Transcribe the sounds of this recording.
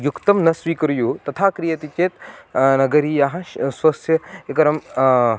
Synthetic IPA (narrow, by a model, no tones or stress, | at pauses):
jukt̪ɐmnɐsʋiːkɐɾjut̪ɐt̪ʰaːkɾijɐt̪it͡ʃeːt̪nɐɡɐɾijaɦɐ̃sʋɐsjɐekɐɾɐm